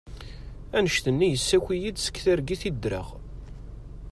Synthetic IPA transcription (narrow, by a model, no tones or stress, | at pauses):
ænəʃθənːijəsːækʷijid̪sə̥kːθæɾɡiθid̪ɾə̰ʁ